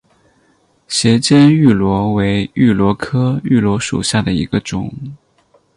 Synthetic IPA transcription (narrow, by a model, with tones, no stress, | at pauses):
ɕjɛ˧˥t͡ɕjɛ˥ny˥˩lwɔ˧˥we˧˥ɪy˥˩lwɔ˧˥kʰɤ˥y˥˩lwɔ˧˥ʂṵ˨˩ɕja˥˩d̪ə˩ḭ˧˥ɡə˧ʈ͡ʂʊ̰˨˩˦ŋ